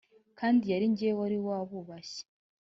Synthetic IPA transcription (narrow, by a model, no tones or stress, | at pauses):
kʰaːndijaɾiɲɟeewaɾiwaːβuβaɕe̥